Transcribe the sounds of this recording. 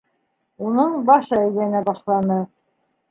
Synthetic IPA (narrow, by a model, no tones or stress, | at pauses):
unɤɴbɑʃɤæjlænæbɑʃlˠɑnɤ